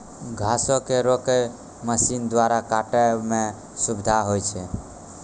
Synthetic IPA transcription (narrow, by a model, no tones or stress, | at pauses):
ɡʱasokeɾoke | məsind̪waɾakaʈemẽ | subd̪ʱaɦojt͡ʃʰɛ